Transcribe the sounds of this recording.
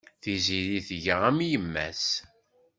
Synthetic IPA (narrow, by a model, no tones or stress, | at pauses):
θiziɾiθəʝəʁæmjəmːæ̰s